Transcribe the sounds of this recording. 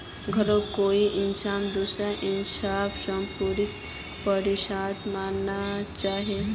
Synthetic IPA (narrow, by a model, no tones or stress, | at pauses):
ɡʱəɾokoiʔinsamd̪usɾaʔinsabsəmpuɾit̪̚ | pəɾiɕad̪manːat͡ʃaɦe